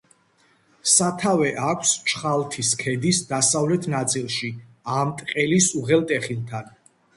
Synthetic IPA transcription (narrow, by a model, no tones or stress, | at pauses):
sat̪ʰavɛʔakʷʰst͡ʃʰχalˠt̪ʰiskʰɛd̪isd̪asavlɛt̪ʰnat̪sʼilˠʃi | amt̪ʼqʼɛlisuʁɛlˠt̪ʼɛχilˠt̪ʰan